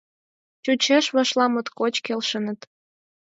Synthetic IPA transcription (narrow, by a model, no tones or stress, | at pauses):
t͡ɕut͡ɕeʃβɑʃlɑmə̆t̪kot͡ɕkelʃə̆nə̆t̪